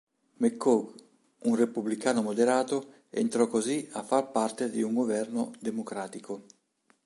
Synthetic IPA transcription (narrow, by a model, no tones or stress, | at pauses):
mekːoɡ | unrepublikaːnomod̪eɾaːt̪o | ḛnt̪ɾɔkːoziafːaɾpart̪ed̪iuŋɡovɛrnod̪emokɾaːt̪iko